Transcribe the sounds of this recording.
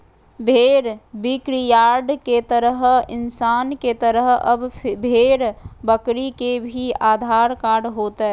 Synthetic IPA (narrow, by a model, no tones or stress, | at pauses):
bʱeːɽbikɾijaːɾɖket̪əɾəɦɪnsaːnket̪əɾəɦəbbʱeːɾbəkɾikebʱiaːd̪ʱaːɾkaːɾɖɦoːt̪ɦɛ